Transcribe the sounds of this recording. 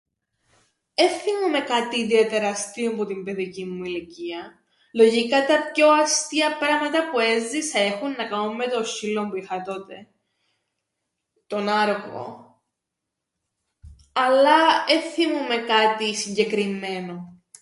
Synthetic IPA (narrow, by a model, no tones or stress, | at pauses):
eθimume̞kɐt̪iːðiet̪e̞ɾɐst̪iompot̪imbe̞ðicimːuiliciɐ | lo̞ʝikɐt̪ɐpço̞ɐst̪iɐpɾɐmɐt̪ɐpue̞zðisɐe̞xunːɐkɐumːe̞t̪osilompuixɐt̪o̞t̪e̞ | t̪o̞nɐɾoko̰ | ɐlːɐeθimume̞kɐt̪isiɲɟe̞kɾimːe̞no̞